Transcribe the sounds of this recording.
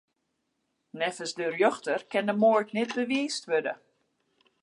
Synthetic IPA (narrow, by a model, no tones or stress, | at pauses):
nɛfəsdərjøxtərkɛndəmoətnɛt̚bəʋiːstʋødə̰